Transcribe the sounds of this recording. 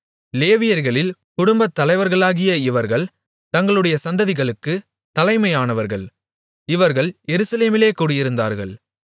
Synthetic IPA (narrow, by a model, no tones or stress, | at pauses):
leːʋɪjɐɾɣɐɭɪlkʊɽʊmbɐt̪ːɐlɐɪʋɐɾɣɐɭaːɣɪjɐɪʋɐɾɣɐɭ | t̪ɐŋɡɐɭɯɽɐjɐsɐnd̪ɐðɪɣɐɭɯkːɯ | t̪ɐlɐɪmɐɪjaːnɐʋɐɾɣɐɭ | ɪʋɐɾɣɐɭjɛɾɯsɐleːmɪleːkuːɽɪjɪɾɯnd̪a̰ːɾɣɐ̰ɭ